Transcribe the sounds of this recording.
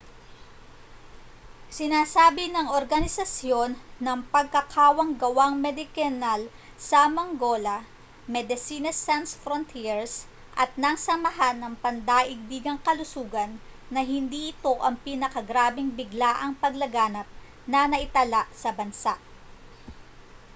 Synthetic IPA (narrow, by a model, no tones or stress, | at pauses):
sɪnaːsaːbɪnɐŋoɾɡɐnɪsɐsjo̞nːɐŋpɐɡ̚kɐkʰaːwɐŋɡɐwaŋmɛd̪ɪkɛnal | sɐmɐŋɡo̞ːlɐ | mɛd̪ɪsiːnɐsɛnsfɾont̪ʰiɹs | ʔɐt̪̚nɐŋsɐmɐɦanːɐŋpɐnd̪aːʔɪɡ̚b̪iːɡɐŋkɐlʊsuːɡɐnːɐɦɪnd̪iːʔɪt̪o̞ʔɐŋpinɐkɐɡɾaːbɪŋbɪɡlaːʔɐŋpɐɡlɐɡaːnɐp̚ | nɐnɐʔɪt̪ɐlaʔsɐbɐnsaʔ